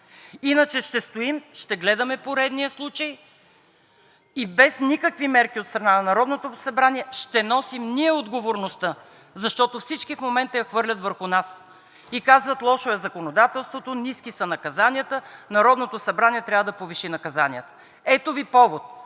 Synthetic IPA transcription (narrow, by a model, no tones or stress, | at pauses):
inət͡ʃɛʃt̪ɛst̪oimʃt̪ɛɡlɛd̪ɐmɛpoɾɛd̪nijəslˠut͡ʃəj | ibɛsnikəkvimɛɾkiot̪st̪ɾɐnanɐnɐɾɔd̪not̪osɐbɾaniɛʃt̪ɛnɔsimniɛod̪ɡovoɾnost̪ə | zɐʃt̪ɔt̪ofsit͡ʃkifmomɛnt̪əjɐxvɤɾlʲɐt̪vəɾxʊnas | ikazvət̪lˠɔʃoɛzɐkonod̪at̪ɛlˠst̪vot̪oniskisɐnɐkɐzaniət̪ənɐɾɔd̪not̪osɐbɾaniɛt̪ɾʲavəd̪ɐpoviʃinɐkɐzaniət̪ə̥ | ɛt̪ovipɔvot̪̚